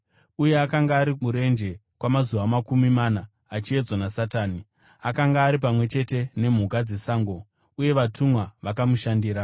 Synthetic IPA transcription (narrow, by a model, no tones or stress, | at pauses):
uje̞akaŋɡaːɾimuɾe̞nd͡ʒe̞kwamazuʋamakumimanaː | t͡ʃie̞d͡zwanasataːni | akaŋɡaːɾip̬amwe̞t͡ʃe̞te̞ne̞m̤ukad͡ze̞saːŋɡo̞ | uje̞ʋatʰumwaʋakamuʃandiːɾa